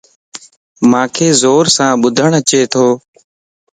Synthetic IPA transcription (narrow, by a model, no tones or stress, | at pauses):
mãːkʰeːzoːɾsãːɓʊd̪ʱəɳət͡ʃeːt̪ʰoː